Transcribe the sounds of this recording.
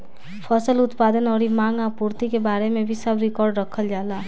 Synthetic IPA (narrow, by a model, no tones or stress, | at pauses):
pʰəsəlut̪pad̪ənɔɾimãŋapuɾt̪ikebaɾemebʱisəbɾikɔɾɖɾəkʰəld͡ʒala